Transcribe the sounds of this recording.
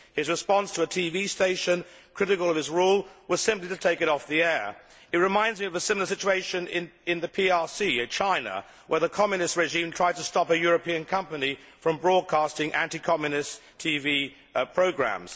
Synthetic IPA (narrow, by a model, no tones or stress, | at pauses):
hɨzɹɨspɑ̃nstʰəətʰivisteɪʃɨ̃n | kʰɹ̥ɪɾɨkəlˠʌv̥ɨzɹulˠwʌz̥sɪ̃mpliɾɨtʰeɪkɨɾɔfðiɛɹ | ɨt̚ɹɨmãɪ̃ndzmiʌvəsɪ̃məl̩ˠə˞sɪt͡ʃueɪʃɨ̃nɪ̃nɪ̃nðɨpʰiɑɹsiɨt͡ʃʰãɪ̃nə̰ | wʔə˞ðəkʰɑmjɨnɨst̚ɹɛʒĩmtʰɹ̥aɪd̚tʰəstɑpɨjʊɹɨpĩɨ̃nkʰʌ̃mpɨni | fɹʌ̃mbɹɔd̚kʰɑˑstɪ̃ŋʔæ̰̃ntikʰɑmjɨnɪstʰivi | pʰɹ̥oʊɡɹæ̰̃mz̥